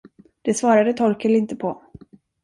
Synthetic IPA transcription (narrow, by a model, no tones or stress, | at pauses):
d̪̥ɛsvɑːɾad̪ət̪ʰɔɾkəlɪnt̪əpʰɔ